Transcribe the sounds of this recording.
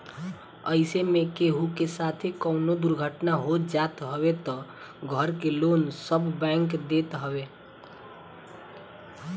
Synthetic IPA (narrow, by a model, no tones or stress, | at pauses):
ə̰ɪsemekeɦukesat̪ʰekəʊnod̪uɾɡʱəʈnaɦot̪d͡ʒat̪ɦəbet̪ɔ | ɡʱəɾkelonsəbbɛ̃ŋkd̪et̪ɦəbe